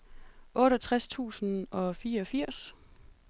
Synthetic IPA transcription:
ʔɔ̽ːɾɒt͡sʰʁast͡sʰṵːsn̩ɒ̽fiːɐɒfiɐ̰s

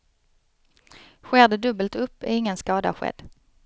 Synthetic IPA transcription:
ɧɛːd̪əd̪ɵbəlt̪ɵpːɛ̰ɪŋːənskɑːd̪a̰ɧɛ̰d̪̥

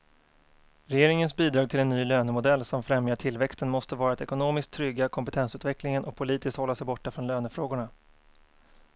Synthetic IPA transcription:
ɾɛjeːɾɪŋənsbiːd̪ɾɑːɡ̚t̪ʰɪlɛnːyːløːnəmʊd̪ɛlːsɔmfɾɛmjaʈʰɪlvɛkst̪ənmɔst̪əvɑːɾat̪ɛkʊnoːmɪsk̚t̪ʰːɾʏɡːakʰɔmpɛt̪ʰɛnsʉ̟ːt̪vɛklɪŋənʔɔk̚pʰʊliːt̪ɪskt̪hɔlːasɛjbɔʈːafɾɔnløːnəfɾoːɡʊɳa

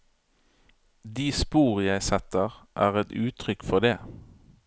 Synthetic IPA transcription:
d̪iːspuːʁjæɪsɛt̪əʁʔæːʁɛt̪ʉːt̪ʰʁʏkfɔd̪eː

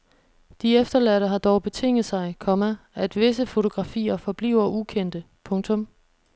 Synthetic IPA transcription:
d̥iefd̥ɐlæɾ̥əɦɑ̈d̥ɒʊb̥e̝t͡sʰe̝ŋ̰ð̩ˠsɑ̈ɪkʰɒ̽mæʔæd̥ʋe̝səfo̝t͡sʰo̝ɡ̥ʁɑ̈fḭːɐfɒ̽b̥lḭʊɐʔukʰen̰d̥ə | pʰɔ̽ŋt͡sʰɔ̽m

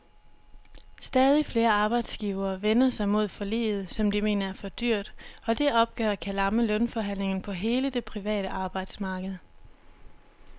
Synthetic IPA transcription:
sd̥ɛːð̞ˠifle̝ːɐɑ̈ːb̥ɑ̈ɪd̥sɡ̥iːʊɐːʋenɐsɑ̈ɪmo̝ð̞̰ˠfɒ̽lḛːð̞̩ˠsɒ̽md̥ime̝̰ːnɐæɐfɒ̽d̥yɐ̰d̥ɒ̽d̥e̝ʔɒ̽b̥̚ɡ̥œ̰ːɐkʰælɑ̈məlɔnfɒ̽ɦæn̰le̝ŋn̩pʰɒ̽ɦe̝ːləd̥e̝pʰʁiʋɛ̰ːɾ̥əʔɑ̈ːb̥ɑ̈ɪd̥smɑ̈ːɡ̥əð̞̩ˠ

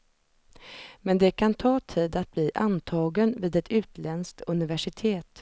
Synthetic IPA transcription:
mɛnd̪ɛkʰant̪ʰɑːt̪ʰiːd̪at̪̚bliːʔant̪ʰɑːɡənviːd̪ɛt̪ʉ̟ːt̪lɛnskt̪ɵnɪvæʂɪt̪ʰeːt̪

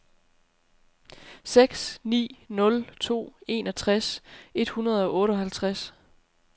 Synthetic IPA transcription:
seɡ̥snḭːnɔ̽lt͡sʰo̝̰ːe̝̰nɒ̽t͡sʰʁase̝d̥hunɐð̞ˠɒ̽ʔɔ̽ːɾəɒ̽ɦælt͡sʰʁas

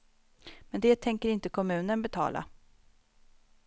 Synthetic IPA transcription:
mɛnd̪ɛːt̪ʰɛŋkəɾɪnt̪əkʰɔmʉ̟ːnənbɛt̪ʰɑ̰ːlʔa̰

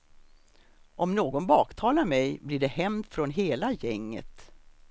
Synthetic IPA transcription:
ʔɔmnoːɡɔnbɑːkt̪ʰɑːlaɾmɛjblɪɖɛhɛmd̪fɾɔnɦeːlajɛŋːə̰t̪

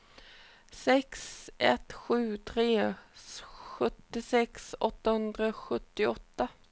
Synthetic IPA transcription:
sɛksɛt̪ɧʉ̟ːt̪ʰɾeː | ɧɵt̪ːɪsɛksɔt̪ːahɵnd̪ɾaɧɵt̪ːɪɔt̪ːa

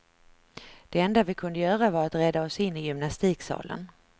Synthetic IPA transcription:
d̪̥ɛɛnd̪avɪkʰɵnd̪əjœːɾavaɾat̪ɾɛd̪ːaɔsɪnːɪjʏmnast̪iːksɑ̰ːlə̰n

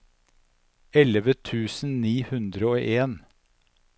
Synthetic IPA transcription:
ɛləʋət̪ʰʉːsn̩niːhʉnd̪ɾəoːʔeːn

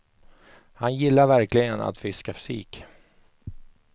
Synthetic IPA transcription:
hanjɪlːaɾvæɾklɪɡəna̰t̪fɪskafɵ̥sḭːk

